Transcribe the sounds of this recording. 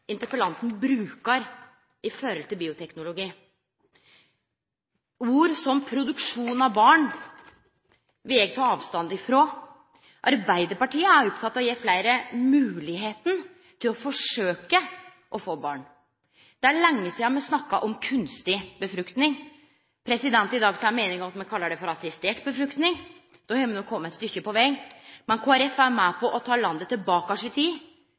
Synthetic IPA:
ɪnt̪əɾpəlɑnt̪n̩bɾʉːkəɾ | ɪføɾɔlt̪ʰɪlbiːʊt̪ʰɛknʊlʊɡiː | uːɾsɔmpʰɾʊd̪ʉkʂuːnɑʋbɑːɳ | ʋɪɛːɡt̪ʰɑːɑːʋst̪ɑnd̪ɪfɾoː | ʔɑɾbæɪd̪əɾpɑʈiːəæɾɔp̚t̪ʰɑt̪ːɑʋɔjeːflæɪɾəmʉːlɪɦeːt̪n̩ | t̪ʰɪlɔfɔʂøːkə | ʔɔfoːbɑ̰ːɳ | d̪̥ɛæɭɛŋːəsiːɑmɛsnɑkːɑʔɔmkʰʉnst̪ɪbəfɾʉkt̪nɪŋ | pʰɾɛsɪd̪ɛnt̪ɪd̪ɑːɡsɔmæmeːnɪŋɔmɑt̪mɛnkʰɑlːəɖɛfɔɾɑsɪst̪eːʈbəfɾʉkt̪nɪŋ | d̪̥ɔhɛmənɔkʰːɔmːəɛɪt̪st̪ʏçːəpɔʋɛɡmɛnkʰoːæɾɛfæmæpʰɔʔɔt̪ʰɑːlɑnd̪ət̪ʰːɪlbɑːkɑʂɪt̪ʰiː

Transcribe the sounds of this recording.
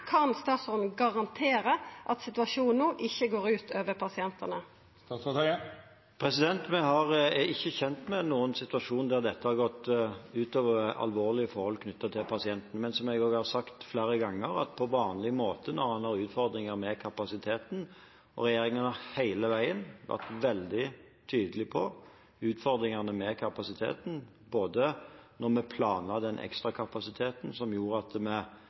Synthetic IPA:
kʰɑnst̪ɑːt̪sɔnɡɑʁɑnt̪ʰeːɾəʔɑt̪sɪt̪ʋɑʂuːnnnuːʔɪçːəɡoːɾʉːt̪ʰøːʋəpʰɑsɪɛnt̪ənə | pʰɾɛsɪd̪ɛnt̪mɛhɑʁɪçːəçɛnt̪mɛnuːənsɪt̪ʉɑʂuːnd̪æʁd̪ɛt̪ːəhɑʁɡɔt̪ʉːt̪ɑːʋəɑ̰lʋoːʁlɪəfɔɾhɔlkʰnʏt̪ːɑt̪ʰɪlpʰɑsɪɛnt̪nəmɛnsɔmɛɡɔːɡhɑʁsɑkt̪flæːɾəɡɑŋːəɾɑ̰t̪pʰɔʋɑːnlɪmoːt̪ənɔɾhɑnhɑʁʉːt̪fɔɾd̪ɾɪŋəʁmɛkʰɑpɑsɪt̪ʰeːt̪n̩ | ɔ̰ɾɛjeːɾɪŋənhɑhæɪləʋæɪənʋæ̰ʁt̪ʋɛld̪ɪ | t̪ʰyːd̪əlɪpʰɔ | ʉːt̪fɔɾd̪ɾɪŋɑʁnəmɛkʰɑpɑsɪt̪ʰḛːt̪n̩ | boːd̪ənɔʁmɛpʰlɑːnɑd̪ɛnʔɛ̰kst̪ʁɑkʰɑpɑsɪt̪ʰeːt̪n̩sɔmjuːɾəɑt̪mɛ

